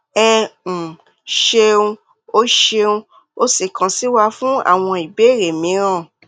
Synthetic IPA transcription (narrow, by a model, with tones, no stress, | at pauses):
ɛ̃˧˨ | ʃe˧ũ˧ | o˦ʃe˧ũ˧ | o˧si˦˨kã˨si˦wa˧fũ˦a̰˦˨w̃ɔ̃˧i˨be˨˦˨ɾe˨mĩ˨˦ɾ̃ã˦˨